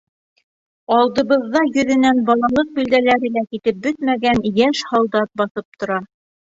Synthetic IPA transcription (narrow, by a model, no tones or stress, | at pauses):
ɑlˠd̪ɤ̆βɤ̆ðːɑjɵ̆ðɘ̆nænbɑlˠɑlˠɤq̚bɵ̆ld̪ælæɾɘ̆lækit̪ɘp̚bɵt̪̚mæɡænjæʃhɑlˠd̪ɑt̪̚bɑθɤp̚t̪ŏɾɑ